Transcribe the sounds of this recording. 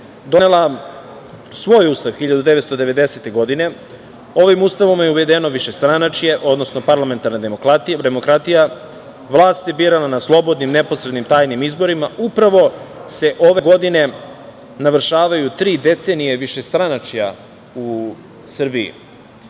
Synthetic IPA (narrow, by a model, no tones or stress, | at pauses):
d̪o̞nelˠa | sʋo̞ːjuːst̪aʋxiʎad̪ud̪eʋet̪st̪o̞d̪e̞ʋe̞d̪e̞set̪e̞ɡo̞d̪ine̞ | o̞ʋimuːst̪aʋomjeuʋe̞d̪eno̞ʋiʃe̞st̪ɾanat͡ʃijeʔo̞d̪no̞sno̞paɾlˠame̞nt̪aɾnad̪emokɾat̪d̪emo̞kɾat̪ija | ʋlˠaːst̪sebiɾalanaslˠo̞bo̞d̪nimne̞posɾe̞d̪nimt̪aːjnimizbo̞ɾimaupɾaʋo̞se̞ʔo̞ʋe̞ɡo̞d̪ine̞ | naʋr̩ʃaːʋajut̪ɾiːd̪e̞t̪se̞nije̞ʋiʃe̞st̪ɾanat͡ʃija̰ | u | sr̩biḭ